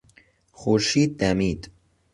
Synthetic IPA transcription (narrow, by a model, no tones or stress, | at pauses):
xoʃiːd̪̚ːæmiːd̪